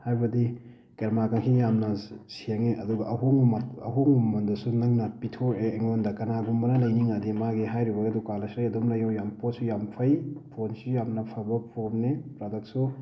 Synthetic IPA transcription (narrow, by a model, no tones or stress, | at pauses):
hajbɐdi | keɾmakaŋkʰijamnɐsiaŋeʔɐduɡɐʔɐɦoŋumɐɐ̰ɦoŋumɐndɐsunɐŋnɐpitʰoeːŋondɐkɐnaɡumbɐnɐlɐjniŋadimaɡiɦajɾibɐɡɐdukalɐsɾajɐdomlɐjawjampot̚sujampʰɐjpʰonsijamnɐpʰɐbɐpʰoɾmnepɾadɐk̚su